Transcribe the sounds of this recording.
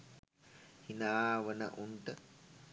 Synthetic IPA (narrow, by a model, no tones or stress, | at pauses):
hinaːʋənə̰ʔunt̪ə